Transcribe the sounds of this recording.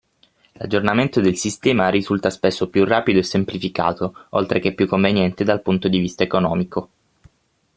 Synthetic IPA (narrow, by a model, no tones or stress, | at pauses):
la̰d͡ʒornament̪od̪elsist̪ɛːmaɾizult̪aspesːopjurːaːpid̪oesːemplifika̰ːt̪oo̰lt̪ɾʔekepːjukːoɱvenjɛnt̪ed̪alpunt̪od̪ivist̪aekonɔːmiko